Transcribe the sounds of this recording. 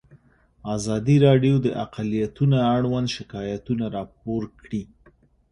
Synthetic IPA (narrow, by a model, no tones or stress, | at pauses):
ɑzɑd̪iɾɑɖjod̪əʔaqalijat̪unaaɽwand̪ʃɪkɑjat̪unaɾɑp̚oɾkɽi